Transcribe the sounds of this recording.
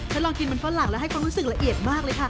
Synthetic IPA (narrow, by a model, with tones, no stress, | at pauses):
t͡ɕ̪ʰa˥˩lɔː˧ŋki˧nma˧nfaː˦˥la˨˩ŋlaː˦˥wɦa˥˩jkʰwaː˧mɾuː˦˥sɯ˨˩k̚ɾla˧ʔi˨˩ət̪̚maː˥˩k̚lɤː˧jkʰa˥˩